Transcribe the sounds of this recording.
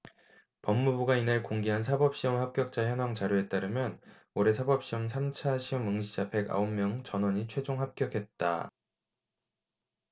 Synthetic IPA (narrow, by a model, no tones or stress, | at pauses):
pʌmːubuɡainaɭkoŋɡeɦans̬ʰabʌp̚ɕ͈iʌmhap̚k͈jʌk̚t͡ɕ͈açjʌnaŋt͡ɕaɾjue̞t͈aɾɯmjʌn | oɾe̞sʰabʌp̚ɕ͈iʌmsʰamt͡ɕʰaɕʰiʌmɯŋɕʰid͡ʑapʰe̞ɡa̰ommjʌŋt͡ɕʌnwʌɲit͡ɕʰwe̞d͡ʑoŋɦap̚k͈jʌkʰe̞t̚t͈a̰